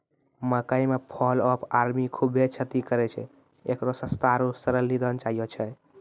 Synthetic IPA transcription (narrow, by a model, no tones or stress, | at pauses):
məkaimepʰɔləpʰaɾmikʰubʱet͡ʃʰət̪ikəɾɛt͡ʃʰɛ̰ | ekt̪ɔsəst̪aɾusəɾəlːid̪ənt͡ʃaijot͡ʃʰɛ